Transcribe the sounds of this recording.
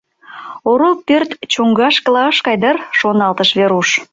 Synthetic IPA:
oɾolpørt̪t͡ɕoŋɡɑʃkəlɑʃkɑjd̪ərʃonɑlt̪əʃβeɾuʃ

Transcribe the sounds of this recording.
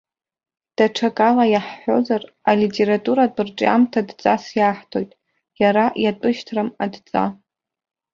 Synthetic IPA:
d̥aʈ͡ʂʰakʼalajaħːo̞̰zaralitʼe̞ɾatʼuɾatʼɨrʈ͡ʂʼa̰mtʰadt͡sʼasjaːħtʰo̞jtʼ | jaɾajatʷʼɨʃtʰrɨmadt͡sʼa̰

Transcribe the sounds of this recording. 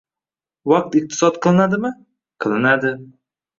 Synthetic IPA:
wɑq̚t̪ɪq̚t̪ʰɪ̥sɒt̪̚qʰɨlˠɪnad̪ɪmɪ | qʰɨlˠɪnad̪ɪ

